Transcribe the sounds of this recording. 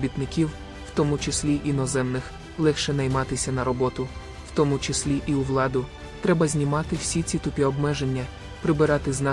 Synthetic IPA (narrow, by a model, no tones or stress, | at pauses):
bʲit̪nɪkʲiw | w̥t̪ɔmut͡ʃɪsʲlʲiʔinɔzɛmnɪx | lˠɛxʃɛnɐjmɑt̪ɪsʲɐnɐɾɔbɔt̪ʊ | w̥t̪ɔmut͡ʃɪsʲlʲiʔiʊʋlˠɑd̪ʊ | t̪ɾɛbɐzʲnʲimɑt̪ɪw̥sʲit͡sʲit̪ʊpʲiɔbmɛʒe̞nʲːɐ | pɾɪbɪɾɑt̪ɪznɑ